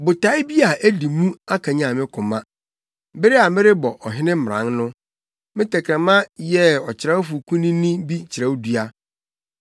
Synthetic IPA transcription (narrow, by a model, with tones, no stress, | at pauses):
bʊ˨tʰa˨˦ɪ˦bi˦a˨ʔæ˦di˨mũ˦a˦kʰã˨ɲã˨mɪ̃˦kʰʊ̃˨mã˦ | bɪ˦ɾɪ˦a˨mɪ̃˦ɾɪ˦bɔ˨ʔɔ˨ɦɪ̃˦nɪ̃˦m̩˦˨ɾã̰˨˦nnʊ̃˦ | mɪ̃˦tʰɛ˨kʰɾɛ̃˨mã˦jɛ˦ɔ˨t͡ɕʰɪ˨ɾa˦wfʊ˨kʰũ˦nĩ˦nĩ˦bi˦t͡ɕʰɪ˨ɾɛ˦wdu˦a˦